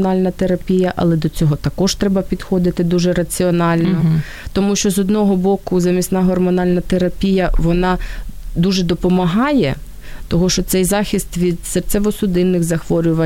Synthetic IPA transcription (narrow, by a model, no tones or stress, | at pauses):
nɑlʲnɐt̪eɾɐpʲijɐʔɐ̰lˠɛd̪ɔt͡sʲɔɦɔt̪ɐkɔʒt̪ɾɛbɐpʲid̪xɔd̪ɪt̪ɪd̪uʒɛɾɐt͡sʲiɔnɑlʲnɔ | t̪ɔmuʃt͡ʃɔzɔd̪nɔɦɔbɔkʊzɐmʲisnɑɦɔrmɔnɑlʲnɐt̪eɾɐpʲijɐʋɔnɑd̪uʒɛd̪ɔpɔmɐɦɑjɛ | t̪ɔɦɔʃt͡ʃɔt̪sɛjzɑxʲist̪ʋʲid̪sert̪sʲɛʋɔsʊd̪ɪnːɪxzɐxʋɔɾʲʊʋɐ